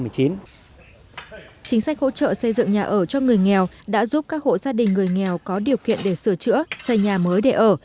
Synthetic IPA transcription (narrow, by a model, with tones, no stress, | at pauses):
ɨ˨˩əjt͡ɕi˨˦n | t͡ɕï˨˦ŋ̟sa˦˥k̟̚ho̰˧˥t͡ɕə̰ː˧˨sə˧jzɨ̰˧˨ŋɲaː˨˩ʔəː˧˩t͡ɕɔ˧ŋɨ˨˩əjŋɛ˨˩w | ɗa̰ː˧˥zu˦˥p̚kaː˦˥k̚ho̰˧˨zaː˧ɗï˨˩ŋ̟ːɨ˨˩əjŋɛ˨˩wkɔ˨˦ɗi˨˩əwkḭ˧˨ənɗe˧˩sɨ˧˩ət͡ɕɨ̰˧˥əsə˧˩jɲaː˨˩məː˨˦jɗe˧˩ʔəː˧˩